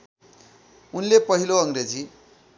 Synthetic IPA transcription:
unlepʌɦiloʌŋred͡zi

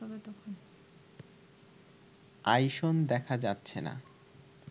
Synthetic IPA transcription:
ɔbet̪ɔkʰon | ajʃond̪ɛkʰad͡ʑatːɕʰena̰

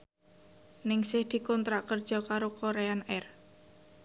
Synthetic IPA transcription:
nɪŋsɪhd̪̥i̤kɔnt̪ɾaʔkərd̥ʒ̥ɔ̤kaɾokoɾeanɛr

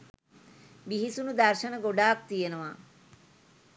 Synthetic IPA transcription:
biɦisunud̪ɐɾʃɐnəɡoɖaːk̚t̪ijenəʋa

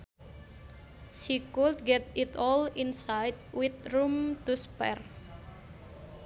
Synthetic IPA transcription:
sikuldɡɛt̪it̪ɔlinsajt̚wɪt̪̚rumt̪uspɛ̰r

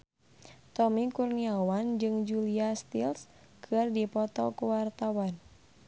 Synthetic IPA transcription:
t̪ɔmikurniawand͡ʒɨŋd͡ʒuliast̪ils | kʰɨrdipɔt̪ɔkuwart̪awan

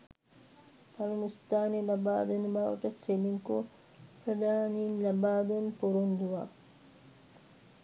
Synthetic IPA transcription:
pɐlɐnist̪aːnilɐbaːd̪enubaːʋɐʈɐsseliŋko | pɾɐd̪aːniːnlɐbaːd̪enpuɾund̪uʋaː

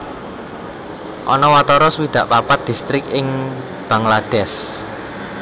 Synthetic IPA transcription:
ʔɔnɔwat̪ɔɾɔsuwid̪̥a̤ʔpapat̪̚d̪̥i̤st̪ɾɪkɪŋ | b̥a̤ŋlad̥ɛs

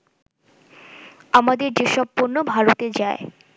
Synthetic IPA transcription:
amad̪eɾd͡ʑeʃɔb̚poɾnobʱaɾot̪ed͡ʑae

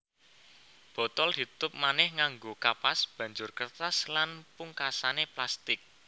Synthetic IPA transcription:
b̥ɔ̤t̪ɔlhi̤t̪ʊp̚manɪhŋaŋɡokapasb̥ä̤ɲd͡ʒʊrkərt̪aslanpuŋkasaneplast̪ɪk̚

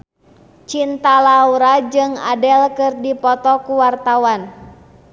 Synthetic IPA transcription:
t͡ʃint̪alauɾad͡ʒɨŋa̰dɛlkɨrdipɔt̪ɔkuwart̪awan

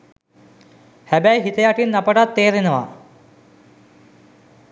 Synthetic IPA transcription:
hæbæjɦit̪əjaʈinːapəʈat̪ːeːɾinəʋa̰

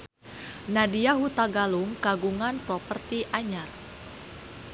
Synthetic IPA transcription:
nadiaɦut̪aɡaluŋkaɡuŋanpɾɔpərt̪iʔaɲar

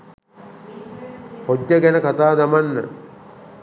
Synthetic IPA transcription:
hodːəɡænəkat̪aːd̪amanːə̰

